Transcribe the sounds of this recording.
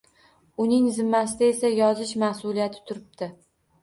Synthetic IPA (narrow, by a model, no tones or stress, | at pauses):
ʊnɪŋzɪmːasɪd̪ae̞sajɒzɪʃmahsʊlijat̪ʰɪ̥t̪ʰʊɾɪb̚d̪̥ɪ